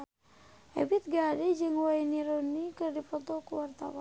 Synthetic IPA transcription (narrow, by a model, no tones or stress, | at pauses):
ɛ̰bit̪̚ɡaded͡ʒəŋwajniɾonikərdipɔt̪okuwart̪a̰wa